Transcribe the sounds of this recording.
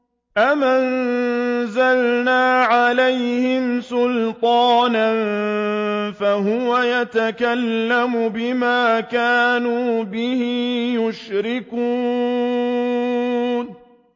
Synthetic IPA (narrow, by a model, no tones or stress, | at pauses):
ʔaman | zalnaːʕalajhɪmsʊlt̪ˤɑːnan | faɦʊwajat̪akalːamʊbɪmaːkaːnuːbɪhɪjʊʃɾɪkuː | n